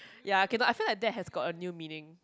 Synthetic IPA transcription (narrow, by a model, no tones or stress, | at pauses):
jaokenoʔaɪfilaɪk̚dɛt̚ɦɛsɡɔtənjumĩnɪ̃ŋ